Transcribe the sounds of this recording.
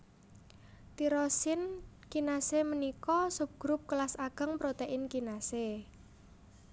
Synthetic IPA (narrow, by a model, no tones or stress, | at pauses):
t̪iɾɔsɪn | kinasemənikɔsup̚ɡ̥ɾʊp̚kəlasaɡ̥ə̤ŋpɾot̪eʔɪnkinase